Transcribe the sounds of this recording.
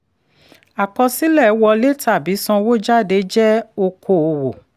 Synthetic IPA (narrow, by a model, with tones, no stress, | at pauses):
a˨kɔ˧si˦lɛ˦˨˦wɔ˧le˦ta˦˨bi˨˦sɔ̃˧wo˦d͡ʒa˦˨de˨˦d͡ʒɛ˦o˧kʰo˧˨o˧wo˨